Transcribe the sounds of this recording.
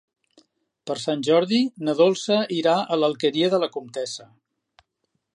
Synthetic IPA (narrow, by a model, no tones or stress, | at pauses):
pəɾsanʲʒɔɾðinəðolˠsəiɾaələlˠkəɾiəðələkumt̪ɛsə